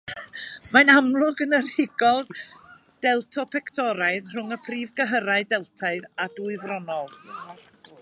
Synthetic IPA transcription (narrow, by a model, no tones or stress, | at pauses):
manamlˠʊɡənər̥ɪɡɔlˠ | d̥ɛlˠtʰɔpʰɛktʰɔɾaɨðr̥ʊŋəpʰriːvɡəɦəɾaɨdɛlˠtʰaɨðaduɨvrɔnɔlˠ